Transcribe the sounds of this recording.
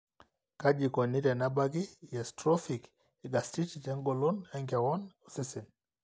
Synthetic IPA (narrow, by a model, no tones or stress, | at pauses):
kad͡ʒikɔniɾɛnabaɡijɛstɾɔfik | ɛɡastititɛŋɡɔlɔnaŋɡawɔnɔsɛsɛn